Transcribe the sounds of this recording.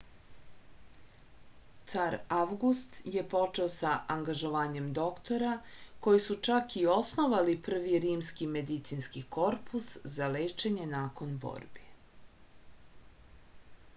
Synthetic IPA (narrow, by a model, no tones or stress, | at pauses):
t̪saɾaʋɡust̪je̞po̞t͡ʃe̞o̞saʔaŋɡaʒo̞ʋaːɲe̞md̪o̞kt̪o̞ɾako̞jisut͡ʃakio̞sno̞ʋalipr̩ʋiɾiːmskime̞d̪it̪sinskiko̞ɾpʰuszale̞ːt͡ʃe̞ɲe̞naːko̞nbo̰ːɾbi